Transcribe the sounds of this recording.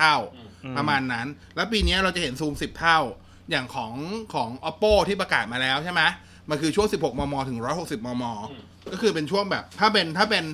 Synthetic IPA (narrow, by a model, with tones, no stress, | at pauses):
t̪ʰa˥˩wpɾa˧maː˧nːa˦˥n | lɛː˦˥wp̬iː˧ni˦˥ɐɾa˧wt͡ɕa˨˩he˩˦nsuː˧msi˨˩p̚t̪ʰa˥˩w | jaː˨˩ŋkʰɔː˩˦ŋkʰɔː˩˦ŋʔɔ˦˥pːoː˥˩t̪ʰiː˥˩p̬ɾa˧kaː˨˩t̪̚maː˧lɛː˦˥wt͡ɕʰa˥˩jma˦˥ | ma˧nkʰɯː˧t͡ɕʰu˥˩əŋsi˨˩p̚ho˨˩k̚mɔː˧mɔː˧t̪ʰɯ˨˩˦ŋɾɔː˦˥jho˨˩k̚si˨˩p̚mɔː˧mɔː˧ | kɔː˥˩kʰɯː˧pe˧nt͡ɕʰu˥˩əŋbɛː˨˩p̚t̪ʰaː˥˩pe˧nt̪ʰaː˥˩pe˧n